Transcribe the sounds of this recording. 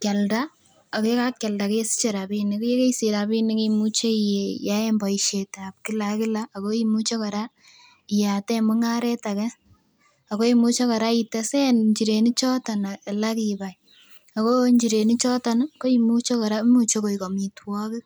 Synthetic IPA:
kɛ˨lda˦ | a˨ke˦ka˦k̚kɛ˨lda˨ke˦je˦si̥˦t͡ʃe˨ɾa˨bi˦ni˨kje˦ke˦isi˨ɾa˨bi˦ni˦ke˦imu˦t͡ʃe˦ijeja˦e˦mbɔ˨iʃe˨ta˨p̚ki˦la˨kɪ˦laako˦imu˦t͡ʃo˦kɔ˨ɾa˦ | i˨ja˨tɛ˦mʊ˦ŋa˦ɾɛ˦ta˨kɛ˦ | a˨ko˦i˦mu˦t͡ʃe˦kɔ˨ɾa˦i˨ta˦sɛ˦nɲt͡ʃi˨ɾe˨ni˦t͡ʃɔ˦tɔ˨na˨la˦kiba˨j | a˨ko˦ɲd͡ʒi˨ɾe˨ni˦t͡ʃɔ˦tɔnko˦imu˦t͡ʃo˦kɔ˨ɾa˦mu˦t͡ʃo˦ko˨i˨ko˨mi˨twɔ˦kɪ˦

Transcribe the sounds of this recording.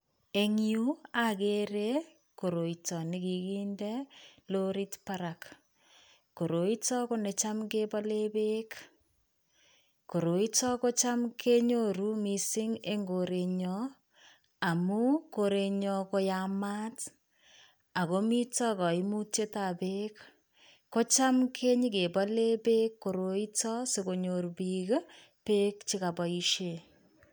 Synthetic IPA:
e˦ŋju˦a˨ke˦ɾe˦ | ko˨ɾo˨i˨tɔ˨nɪ˦ki˨kiː˦ndɛ˦lo˦ɾi˦tpa˦ɾa˨k | ko˨ɾo˨i˦tɔ˦ko˦ne˨t͡ʃa˦mke˦bɔ˦le˦be˦k | ko˨ɾo˨i˦tɔ˦ko˦t͡ʃa˦mkʰe˦ɲo˦ɾu˦mi˨sɪ˦ŋe˦ŋɡo˨ɾe˨ɲɔ˦ | a˨mu˦ko˨ɾe˨ɲɔ˧ko˧jama˦t | a˨ko˦mi˦tɔ˦kɔ˨i˦mu˦te˦ta˨pe˦kː | o˦t͡ʃa˦mkʰe˦ɲi˦ke˨bɔ˦le˦be˦kːo˨ɾo˨i˦tɔ˦se˨ko˨ɲo˨ɾbik | pe˦kt͡ʃi˦ka˨bɔ˨i˦ʃe˨

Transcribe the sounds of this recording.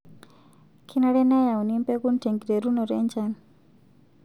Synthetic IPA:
kʰi˦na˦ɽɛ˦na˦ja˨u˨ni˦mpɛ˦ku˦nte˨ŋɡi˨ɾe˨ɾu˦nɔ˨ɾɛ̰˦ɲt͡ʃa˦ni

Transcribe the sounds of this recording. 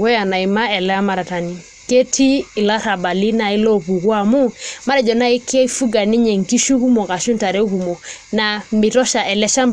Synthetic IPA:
wɛ˦ja˨na˨i˨ma˦ɛ˨lɛ˦ma˨ɾa˨ta˨ni˨ | ke˦tʰiː˦˨la˦ɾa˨ba˨li˦na˨i˦lɔ˦βu˨kwa˦˨mu˦ma˦ɾɛ˨d͡ʒɔ˨na˦i˦kɛ˦fu˦ɡa˨ni˦ɲɛ˨ŋ˨ki˦ʃu˦ku˦mo˨ka˨ʃu˦nta˨ɾɛ˦ku˨mo˨na˨mɪ˨tɔ˦ʃa˨ɛ˨lɛ˦ʃa˦m

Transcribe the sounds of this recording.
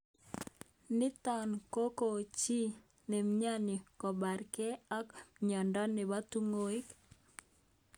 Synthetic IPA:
nɪ˦t̪ɔ˨nko˦ko˨t͡ʃi˦ | ne˨mɲa˦ni˨kɔ˨ba˨ɾkɛ˦a˦kɲɔ˨ndɔ˦nɛ˨ba˦t̪u˦ŋo˦e˦k

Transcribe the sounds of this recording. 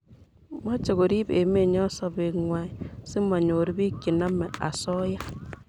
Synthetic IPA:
ma˦t͡ʃe˨ɣo˨ɾi˦be˨me˦˨ɲɔ˦sa˦be˨ŋwa˦i˦si˦m˦a˨ɲo˨ɾi˦bi˦ki˨na˦mɛ˨a̰˨sɔ˦ja˦

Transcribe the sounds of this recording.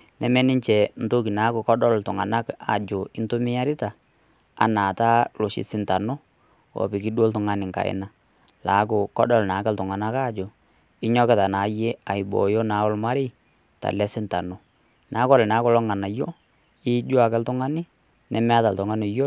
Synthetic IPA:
nɛ˨mɛ˦nɪ˦ɲt͡ʃɛ˨n̩˨to˦ki˨na˨˦kʊ˨kɔ˦dɔ˦ltʊ˨ŋa̰˨na˦ka˨d͡ʒʊ˨ɪ˦ntʊ˦mɪ˦ja˦ɾɪ˦ta˨ | a̰˨na˨ta˦lʊ˨ʃɪ̰˦sɪ˦nta˨no˦ | wɔ̰˨pɪ˨kɪ˦do˦ltʊ˨ŋa˦nɪ˨ŋka̰˨ɪ̰˦na˦ | la˨˦kʊ˨kɔ˦dɔ˦lna˨˦kɛ˦ltʊ˨ŋa˨na˦ka˦d͡ʒʊ˨ | ɪ˦ɲɔ˦kɛ˨ta˨naː˨˦je˦a˨ɪ˨bɔ̰˨jo˦na˨˦ɔ˦lma˦ɾɪ˦ | ta̰˨lɛ˦sɪ˦nta˨no˦ | nʔaː˨˦kɔ˦lɛ˨na˨˦kɔ˦˨lɔ˦ŋa˨na˨jo˦ | ɪ˦d͡ʒʊ˦a˨kɛ˦ltʊ˦ŋa˦nɪ˦ | nɛ˨mɛ˦a˦ta˨ltʊ˨ŋa˦nɪ˨jo˦

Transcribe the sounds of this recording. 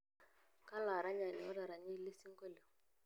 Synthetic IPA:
ka˦la˨ɾa˦ɲa˨ni˨ɔ˦ɾa˨ɾa˨ɲi˦li˦si˦ŋ˦kɔ˦le˨

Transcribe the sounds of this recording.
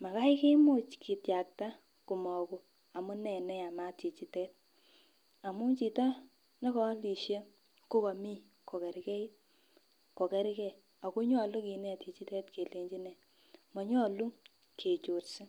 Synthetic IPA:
ma˨ka˦i˦ke˦mo˦˨t͡ʃkʰi˨tja˨k̚ta˦ | ku˨mɔ˨ku˨ | a˨mu˦nɛ˨nɛ˦a˨ma˦ti˨t͡ʃi˨tɛ˦t̚ | a˨mu˦t͡ʃi˨tɔ˦ | nɔ˦kɔ˦li˨ʃe˦ | ko˦ka˨mi˦ | ko˨kɛ˨ɾi˨˦kɛ˦i˦t̚ | ko˨kɛ˦ɾi˦kɛ˨ | a˨ku˦ɲɔ˦˨lu˦ki˨nɛ˦˨ti˨t͡ʃi˦tɛ˦tke˨le˨ɲd͡ʒi˦nɛ˨ | mɔ˨ɲɔ˦˨lu˦ | kʰe˨t͡ʃo˨ɾsi˦

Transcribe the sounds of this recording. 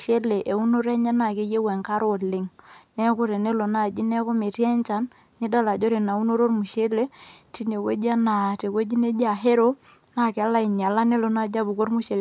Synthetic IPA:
ʃe˦le˨ʔe˨u˦no˦ɾɛ˦ɲa˦na˨ke˦je˦wɛ˨ŋka˦ɾo˦˨lɪ˨ŋnɛ˦ko˦ɾe˨ne˦lo˨na˦˨d͡ʒi˦nɛ˦ko˦me˨tɛ˦nt͡ʃa˦nː | ɪ˦da˦la˨d͡ʒo˦ɾe˨na˨u˦no˦ɾo˦ɾmu˨ʃe˦le˦ti˨ne˨kwḛ˦d͡ʒa˦na˨te˨kwe˦d͡ʒi˦ne˦d͡ʒa˨ɦe˦ɾo˦ | na˦˨kɪ˨a˦la˦i˨ɲa˨la˦ne˦lo˨na˦d͡ʒa˦bu˨ko˦ɾmu˦ʃe˨l

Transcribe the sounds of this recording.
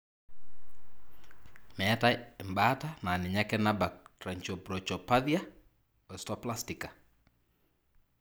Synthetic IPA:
mɛ˨ta˦ɛ˨mba˦tana˨nɪ˨ɲa˦kɛ˦na˦ba˨k̚tɾa˨ɲt͡ʃɔpɾɔt͡ʃɔ˨paðja˦ | ɛ˨stɔplastikḁ˨

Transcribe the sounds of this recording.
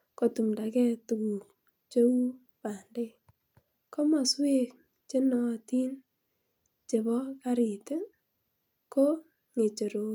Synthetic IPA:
ko˨tu˨mda˨kɛ˦tu˨ku˨ | t͡ʃo˦u˦ | pa˨nde˦ | kɔ˦ma˨swe˦k | t͡ʃe˦nɔ˦˨ti˦n | t͡ʃe˨bɔ˦ka˦ɾi˨te˦ | ko˦ | ŋe˨t͡ʃe˨ɾo˨

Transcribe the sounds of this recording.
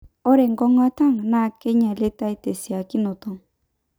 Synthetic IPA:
ɔ˦ɾɛ˨ŋɡɔ˦ŋa˦ta˦ŋna˦˨ke˦ɲa˨le˦ta˦i˦te˨si˨a˨ki˦nɔ˨tɔ˦˨ŋ

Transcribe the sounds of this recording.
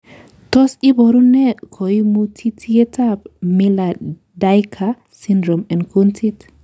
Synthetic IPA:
t̪ɔ˦si˦bɔ˨ɾu˦nɛ˦kʰo˨i˦mu˦tʰi˦tʰi˦ɛ˦ta˦pmi˦la˨ | da˦jkʰa | si˦ndɾɔ˨mɛ˨nkʰu˦ntʰi˦t

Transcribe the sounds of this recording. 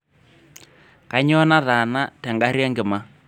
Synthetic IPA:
ka˦ɲɔ˦na˦ða˨na˦tɛ˨ŋɡa˦ɾjɛ˦ŋɡɪ˨ma˦

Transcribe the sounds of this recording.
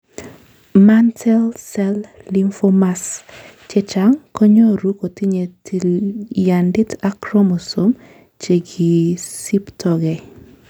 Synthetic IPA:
mantʰɛlsɛlli˦mfo˦ma˦st͡ʃɛ˦t͡ʃa˨ŋkɔ˦ɲo˦ɾu˦ko˨ti˦ɲe˨t | ja˨ndɪ˦ta˦kɾɔ˦mo˨so˦m | t͡ʃe˨ɡi˨si˦ptʰɔɡɛ˨

